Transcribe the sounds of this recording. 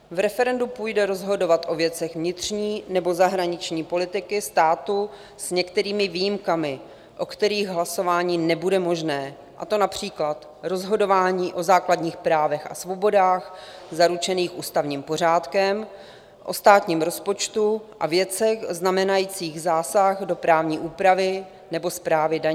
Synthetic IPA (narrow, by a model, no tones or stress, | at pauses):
vɾɛfɛɾɛndupuːjdɛɾo̞zɦo̞do̞vat̪ʔo̞vjɛt͡sɛɣvɲɪt̪r̝̥ɲiːnɛbo̞zaɦɾaɲɪt͡ʃɲiːpo̞lɪt̪ɪkɪst̪aːt̪u | sɲɛkt̪ɛɾiːmɪvijimkamɪ | ʔo̞kt̪ɛɾiːɣɦlaso̞vaːɲiːnɛbudɛmo̞ʒnɛː | ʔat̪o̞napr̝̥iːklat̪ | ɾo̞zɦo̞do̞vaːɲiːʔo̞zaːkladɲiːxpɾaːvɛxʔa̰svo̞bo̞daːxzaɾut͡ʃɛniːxʔuːst̪avɲiːmpo̞r̝aːt̪kɛm | ʔo̞̰st̪aːt̪ɲiːmɾo̞spo̞t͡ʃt̪uʔa̰vjɛt͡sɛɣznamɛnajiːt͡siːɣzaːsaxdo̞pɾaːvɲiːʔuːpɾavɪ | nɛbo̞spɾaːvɪdaɲ